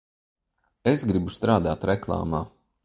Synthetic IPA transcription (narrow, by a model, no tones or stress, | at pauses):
esɡɾibust̪ɾaːd̪aːt̪ɾɛklˠa̰ːmaː